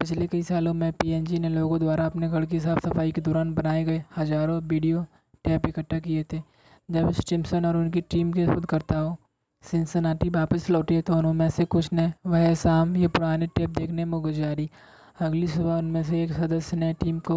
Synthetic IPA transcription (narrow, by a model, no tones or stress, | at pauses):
pɪt͡ʃʰlekɐisaːlõmɛ̃piːɛːnd͡ʒineloːɡõd̪waːɾaɐpneɡʱɐɽkeɦɪsaːbsɐfaːiked̪ɔːɾaːnbɐnaːeɡɐehɐd͡ʒaːɾõʋiːɖijo | ʈɛːpɪkəʈʰːakiet̪ʰeː | d͡ʒɐbsʈɪ̃msənɔːɾʊnkiʈiːmkesbʊd̪kɐɾt̪aɦo | sɪ̃nsənaːʈibaːpəslɔːʈiɦet̪oʊnɦõmɛ̃sekʊt͡ʃʰnɐʋɐɦsaːmjepʊɾaːneʈɛːp̚d̪eːkʰnemõɡʊd͡ʒaːɾi | ɐɡlisʊbaʊnmẽs̬eːksɐd̪əsjəneʈiːmko